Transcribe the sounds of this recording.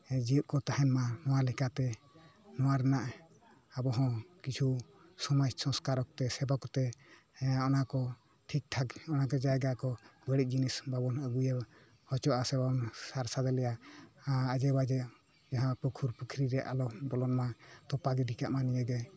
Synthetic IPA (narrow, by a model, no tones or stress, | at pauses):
d͡ʒiuʔ̪̚kɔt̪ahɛnmanɔwalɛkat̪ɛ | nɔwaɾɛnaʔ | abɔɦɔ̃kit͡ʃʰu | sɔmajsɔ̃skaɾɔk̚t̪ɛsɛbakɔt̪ɛ | ɔnakɔ | ʈʰik̚ʈʰakɔnakɔd͡ʒajɡakɔbəɽiˀd͡ʒinisbabɔnəɡujɛ | hɔt͡ʃɔʔasɛbaɔnsaɾsad̪ɛlɛja | ad͡ʒɛbad͡ʒɛ | d͡ʒaɦãpukʰuɾpukʰɾiɾɛʔa̰lɔbɔlɔnmat̪ɔpaɡɛɖikaʔmanijɛɡɛ